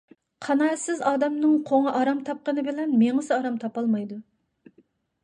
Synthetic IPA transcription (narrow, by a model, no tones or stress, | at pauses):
qʰɑnɑːsɪzɑːd̪ɛmnɨŋqʰoŋɑʔɑɾɑmt̪ʰɑp̚qənɨbɪlɛnmeŋɨsɨɑɾɑmt̪ʰɑpɑlˠmɑjd̪u